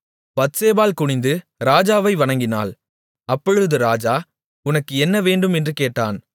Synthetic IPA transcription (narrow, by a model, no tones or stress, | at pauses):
bɐt̪seːbaːlkʊɳɪnd̪ɯ | ɾaːd͡ʒaːʋɐɪʋɐɳɐŋɡɪna̰ːl | ɐpːɔɻɯðɯɾaːd͡ʒaː | ʊnɐkːɯɛnːɐʋeːɳɖɯmɛndrɯkeːʈːaːn